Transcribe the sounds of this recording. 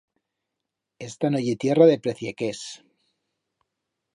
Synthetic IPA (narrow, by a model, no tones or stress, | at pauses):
est̪anoʝit̪je̞raðe̞pɾeθjekes